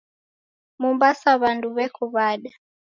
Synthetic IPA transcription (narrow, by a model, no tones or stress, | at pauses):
mumbasaβanduβɛkuβaɗa